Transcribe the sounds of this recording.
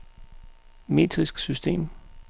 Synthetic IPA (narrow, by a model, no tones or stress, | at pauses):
me̝̰ːd̥ʰʁisɡ̥sysd̥e̝̰ːm